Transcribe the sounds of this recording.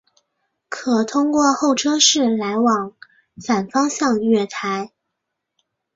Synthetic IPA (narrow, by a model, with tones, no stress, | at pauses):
kʰɤ˨˩t̪ʰʊ˥ŋkwɔ˥˧xo˥˩ʊʈ͡ʂʰɤ˥ʂɻ̩˥˩la˧˥ɪwɑ˨˩ŋ | fa˨˩nfɑ˥ŋɕjɑ˥˧ŋɥɛ˥˩t̪ʰa˧˥ɪ